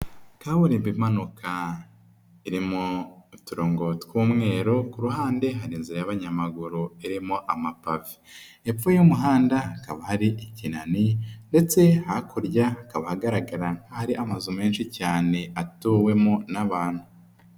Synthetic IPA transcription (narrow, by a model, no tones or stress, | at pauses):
kaβuɾiːmbimanukʰa | iɾimoituɾoːŋɡo̞twuːmŋe̞ːɾokuɾuɦaːnde̞ɦaɾiːnziɾajaβaɲamaɡuɾuiɾimoʔamapavi̥ | ep͡fujumuɦaːndakaβahaɾiʔicinaninde̞t͡se̞hakuɾɟakaβahaɡaɾaɡaɾaŋ̥hahaɾiʔamazume̞ːnʃicaːne̞atuwe̞monaβaːn̥hu